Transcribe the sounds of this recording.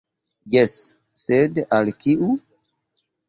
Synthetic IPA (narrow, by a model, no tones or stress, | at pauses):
jesː | edalkiʔu